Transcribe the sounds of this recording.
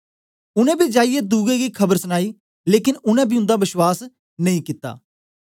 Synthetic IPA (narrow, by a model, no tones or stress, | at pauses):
ʊnɛ̃ːbiːd͡ʒaːijɛd̪uːɡɛ̃ɡiːkʰəbəɾsənaːiː | leːkɪnʊnɛ̃ːbʱiːʊ̃nd̪aːbɪʃwaːs | nɐĩkɪt̪ːa̰ː